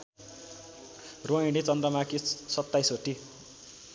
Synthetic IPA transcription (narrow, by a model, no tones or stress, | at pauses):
roiɽ̃it͡sʌnd̪rʌmakisʌt̪ːajsoʈi